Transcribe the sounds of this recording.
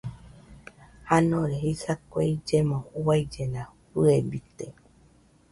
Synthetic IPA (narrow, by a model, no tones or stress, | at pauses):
hanõɾeɦisakʷueid͡ʒemõuaid͡ʒenãɸɨebit̪e